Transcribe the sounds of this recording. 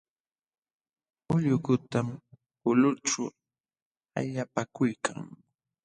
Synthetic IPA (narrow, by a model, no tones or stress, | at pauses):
ʊʎʊkʊt̪am | ʊlʊʈ͡ʂʊ | a̰ʎapakʊjkʰa̰ŋ